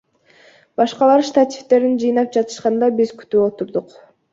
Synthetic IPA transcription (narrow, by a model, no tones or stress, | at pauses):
bɑʃqɑlˠɑɾʃt̪at̪ʲift̪e̞ɾind͡ʒɯjnɑp̚d͡ʒɑt̪ɯ̥ʃqɑnd̪ɑbizky̥t̪yːo̞t̪uɾd̪uq